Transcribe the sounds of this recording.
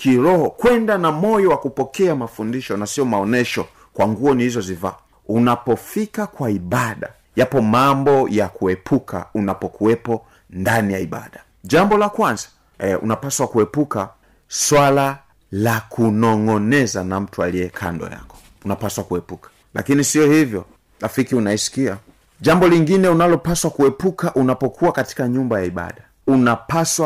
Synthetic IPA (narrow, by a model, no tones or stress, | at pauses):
kʰiɾɔhɔkwɛndanamɔjɔwakupɔkɛamafundiʃɔnasiɔmaɔnɛʃɔ | kwaŋɡuɔnihizɔziva̰ː | unapɔfikakwaiɓaɗa̰ | japɔmambɔjakuɛpʰukʰa̰unapɔkuwɛpɔ | ndanijaiɓa̰ɗa | ʄambɔlakwanzḁ | ṵnapaswakuɛpuka | swala | lakʰunɔŋɔnɛzanam̩tualiɛkʰa̰ndɔ̰ja̰kɔ̥ | unapaswakuɛpukḁ | lʔa̰kinisiɔhivjɔ | lafikiunaisi̥kia | ʄambɔliŋɡinɛunalɔpaswakuɛpukaʔunapɔkʰuwakati̥kaɲumbajaiɓa̰ɗa | unapaswa